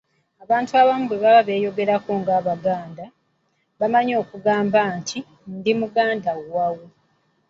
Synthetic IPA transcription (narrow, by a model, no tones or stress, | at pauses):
aβaːntuaβamuβe̞βaβaβe̞ːjo̞ɡe̞ɾako̞ŋɡaːβaɡaːnda | βamaɲo̞ːkuɡaːmbaːntʰi | ndimuɡaːndaɡawe